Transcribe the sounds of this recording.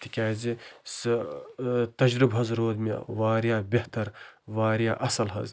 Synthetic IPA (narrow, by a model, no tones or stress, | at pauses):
t̪ʰikʲaːzisɨ | t̪ɐd͡ʒɾɨbɦɐzɾoːd̪mʲa̰ʋaːɾjaːbʲeht̪ɐɾʋaːɾja̰ːʔɐsɐlɦɐ̰z